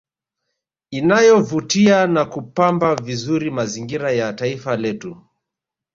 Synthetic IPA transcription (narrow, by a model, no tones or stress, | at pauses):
inajɔvutianakupambavizuɾimaziŋɡiɾajataifalɛtu